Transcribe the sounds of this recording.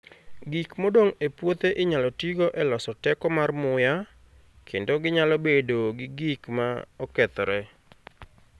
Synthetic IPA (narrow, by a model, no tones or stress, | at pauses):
ɡikmodoŋepwot̪eʔɪɲalɔtiɡoʔɛlɔsɔtɛkɔmarmʊja | kʰendoɡɪɲalɔbedoɡɪɡikmaɔkɛt̪ɔɾɛ